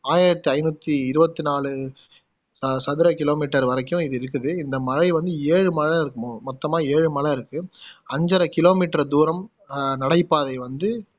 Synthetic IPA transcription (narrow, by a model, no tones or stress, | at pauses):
aːjɪɾɐt̪ːiɐɪnut̪ːiɪɾɯbɐt̪ːɯnaːlɯ | ɐsɐðɪɾɐkɪloːmiːʈːɐɾʋɐɾɐkːʊ̃ɪðɯɪɾɯkːɯðɯɪnd̪ɐmɐɻɐɪʋɐnd̪ɯeːɻɯmɐlɐɪɾɯkːɐmomɔt̪ːɐmaːeːɻɯmɐlɐɪɾɯkːɯɐɲd͡ʒɐɾɐkɪloːmiːʈːɾɐd̪uːɾɐm | nɐɽɐɪpːaːðɐɪʋɐnd̪ɯ